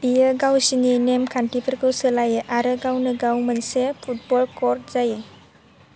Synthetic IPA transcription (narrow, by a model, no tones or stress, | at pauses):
bijəɡawsininemkʰanʈipʰəɾkɯwsəlajɯʔaɾɯɡawnɯɡawmənsepʰut̚bɔlkɔɾt̚zajɯ